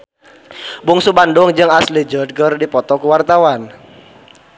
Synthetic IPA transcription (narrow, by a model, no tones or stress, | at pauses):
buŋsubandʊŋd͡ʒɨŋaslid͡ʒəd̚ɡərdipɔt̪ɔkuwart̪awan